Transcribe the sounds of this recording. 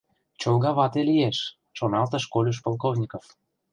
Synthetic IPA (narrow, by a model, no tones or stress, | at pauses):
t͡ɕolˠɣɑβɑt̪elijeʃ | ʃonɑlt̪ə̆ʃkolʲoʃ̬polˠkovnʲikof